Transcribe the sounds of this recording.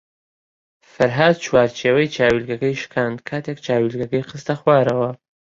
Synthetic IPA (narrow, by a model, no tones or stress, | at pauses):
fɐɾɦaːd̪̚t͡ʃʰwaːɾt͡ʃʰeːwɐjt͡ʃʰaːwilɡɐkɐjʃkʰaːnd̪kʰaːt̪ʰek̚t͡ʃʰaːwilɡɐkɐjqɨst̪ɐxwaːɾɐwɐ